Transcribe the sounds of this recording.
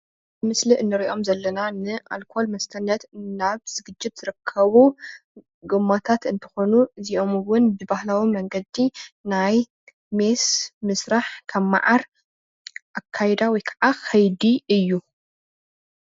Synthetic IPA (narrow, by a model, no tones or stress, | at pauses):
ɨmɨsliʔɨnːɨɾiʔo̞mzɐlːɐnanɨʔa̰lkʰo̞lmɐst̪ʰɐnːɐt̪naβz̥ɨɡɨd͡ʒːɪt̪z̥ɨɾɨkʰːɐβu | ɡɨmːot̪ʰat̪ɨnt̪ʰɐ̥xo̞nuziʔo̞mɨwʊnbɨbahlawimɐŋɡɐd̪inaj | mesmɨsɾaħkʰɐmːa̰ʕaɾ | ʔakʰːajd̪awɔjkʰɐʕaxʰɐjd̪iɨjːu